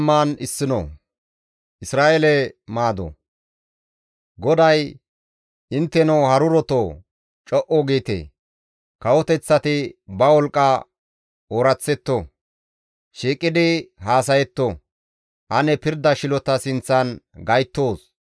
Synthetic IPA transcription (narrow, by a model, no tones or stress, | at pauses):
mːaːnɪsːɪnɔ̰ | ʔɪsɾaːʔɛlɛmaːd̪ɔ̰ | ɡɔd̪ɐj | ɪnt̪ːɛnɔwhɐɾʊɾɔt̪oː | t͡ʃʼɔʔɔɡeːt̪ḛː | kɐwɔt̪ɛt͡sːɐt̪ɪbɐwɔlkʼːɐ | oːɾɐt͡sːɛt̪ːo | ʃiːkʼːɪd̪ɪhaːs̬ɐjɛt̪ːo | hɐnɛpɪɾd̪ɐʃɪlɔt̪ɐsɪnt͡sːɐnɡɐjt̪ːo̞ːs